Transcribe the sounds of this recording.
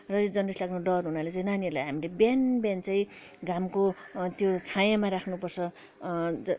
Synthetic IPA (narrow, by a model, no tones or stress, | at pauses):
rʌd͡zʌnrislaɡnoɖʌrɦunalet͡sãj̃naniʌrlajɦamilebanbjant͡sãĩ | ɡamkot̪jot͡sʰajamaɾakʰnupʌrt͡sʰʌ | d͡zʌ